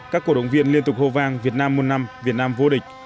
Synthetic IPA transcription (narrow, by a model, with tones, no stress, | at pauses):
kaː˦˥kːu˧˩ɗə̰˧˨wŋ͡mvi˧ənli˧ənt̪ʊ˨˩k͡p̚ho˧vaː˧ŋvi˨˩ət̚naː˧mːo˨˩naː˧mvi˨˩ət̚naː˧mvo˧ɗï˨˩ŋ̟̚